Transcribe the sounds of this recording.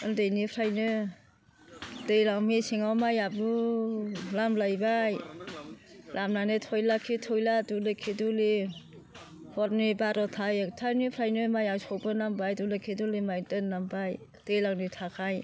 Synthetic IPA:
ɯndejnipʰɾajnɯ | dejlaŋmisiŋawmajabnu | lamlajbaj | lʔamnanɯtʰɔjlakʰitʰɔjladulekʰiduli | hʰɔt̚nibaɾɔtʰajtʰanipʰɾajnɯmajawsɔwbɯnambajdulekʰidulimajdɯnnːambaj | d̥ejlaŋnitʰakʰaj

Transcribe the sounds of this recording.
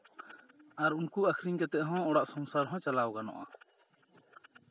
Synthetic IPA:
aɾunkuakʰɾiŋkɛt̪ɛʔɦɔ̃ɔɽaʔsɔmsaɾɦɔ̃t͡ʃalawɡanɔ̰ʔa̰

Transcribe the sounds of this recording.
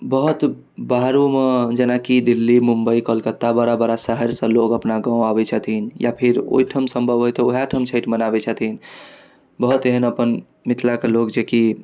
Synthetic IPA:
bəɦut̪ | baɦɾumed͡ʒenakid̪ilːimumbəikəlkət̪ːabəɾabəɾasəɦəɾsə̃lokəpnaɡãw̃abɛt͡ʃʰət̪ʰinja̰pʰiɾo̰ɦiʈʰəmsəmbʱəbɦojt̪ɔoɦaʈʰəmt͡ʃʰəjʈʰmənabɛt͡ʃʰət̪in | bəɦut̪eɦənəpən | mit̪ʰlakelokd͡ʒeki

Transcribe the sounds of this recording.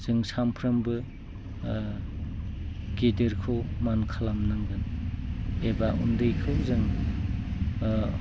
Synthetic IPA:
z̥ɯŋsampʰɾɯmbɯ | ɡediɾkʰowmankʰalamnɯŋɡɯn | ebaʔundɯjkʰɯwzɯŋ

